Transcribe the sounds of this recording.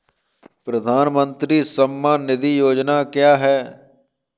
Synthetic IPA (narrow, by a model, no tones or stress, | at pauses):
pɾəd̪ʱaːnmənt̪ɾiːsəmːaːnɪd̪iːjoːd͡ʒnaːkjaːɦɛː